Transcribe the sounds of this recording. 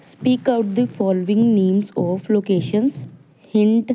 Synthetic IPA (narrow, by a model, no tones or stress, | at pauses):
spiːkaʊʈd̪ifɔːloːɪ̃ŋɡnẽːmsɔːfloːkeːʃə̃ns | hɪ̃ɳʈ